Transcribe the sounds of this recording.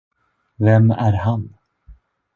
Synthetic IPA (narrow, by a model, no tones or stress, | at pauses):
vɛmæɾhan